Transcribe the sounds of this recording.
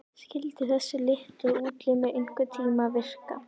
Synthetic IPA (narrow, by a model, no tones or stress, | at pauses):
skɪlt̪ɪθɛsːʏlɪht̪ʏuːt̪lɪmɛʔʏŋ̥kʏt̪ʰiːmavɪr̥ka̰